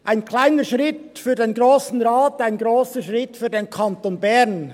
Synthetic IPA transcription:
ʔaɪnkʰlaɪnəʃʁɪtfyːɐdeːnɡʁoːsn̩ʁaːtaɪnɡʁoːsəʃʁɪtfyːɐdeːnkʰantoːnbɛʁn

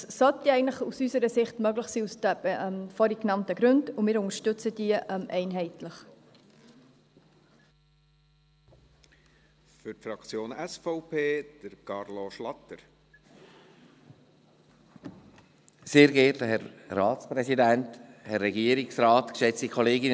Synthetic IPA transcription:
sɔltiɛɪəntləχusysəɾəsɪχtmœɡlɪχsiːusd̥əb̥ɛʔmfɔɾiknɑntəɡɾʉndʊmɪːɾʊŋəʃtʉt͡səd̥iəʔɛmʔɛɪnɦɛɪtləχ | fʏɾtfɾɑkt͡sjoːnɛsfɔʊpʰeːd̪̥əɾkɑɾloʃlɑt̪ːəɾ | seːɾɡɛːtləhɛɾːɑːtt͡spɾɛsidænthɛrːɛɡiəɾiksrɑːtkʃɛt͡stikʰχɔleːɡɪn

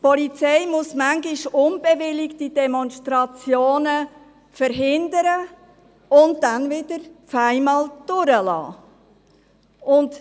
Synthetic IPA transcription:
pɔlit͡sɛɪmʊsmæŋɡɪʃʊnb̥ɛvɪlɪktid̥ɛmɔnstɾɑt͡sjoːnə | fəɾɦɪndəɾə | ʊntdænvɪd̥əɾfæɪmɑːld̥ʊɾəlɑ̰ː | ʊnt

